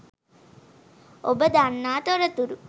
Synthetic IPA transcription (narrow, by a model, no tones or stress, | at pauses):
obəd̪anːaːt̪oɾɐt̪uɾu